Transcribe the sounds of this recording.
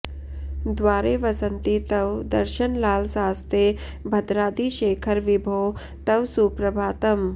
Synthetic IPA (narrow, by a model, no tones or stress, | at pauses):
d̪ʋaːɾeːʋɐsɐnt̪it̪ɐʋd̪ɐɾʃɐnlaːlsaːst̪ʰeː | bʱɐd̪ɾaːd̪iːʃeːkʰɐɾʋibʱoː | t̪ɐwsuːpɾɐbʱaːt̪ɐm